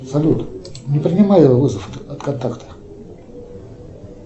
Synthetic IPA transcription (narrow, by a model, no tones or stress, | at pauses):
sɐlʲut̪nʲɪpɾʲɪnʲɪmajɪvovɨzəfɐt̪kɐnt̪akt̪ʰə̥